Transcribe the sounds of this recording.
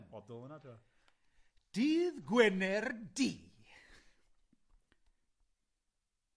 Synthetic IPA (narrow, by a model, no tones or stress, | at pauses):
bɔdɔlˠənatʰua | d̥iːðɡwɛnɛrdiː